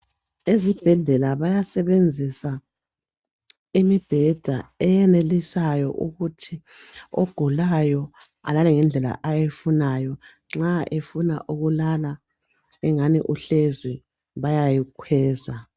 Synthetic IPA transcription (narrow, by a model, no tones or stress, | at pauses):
ezib̥ʱɛɮɛlaβajasɛβend͡zʱisa | imib̥ʱɛd̥ʱa̰ɛjɛnelisajɔʔuɣutʰi | o̰ɡ̥ʱulajɔ | a̰lalɛŋɛnd͡ɮʱɛla̰ʔajefunajɔ | ŋ͡ǁaʔefunaʔuɣulala | ɛŋaniʔuɬezi | βajajikʰwɛːza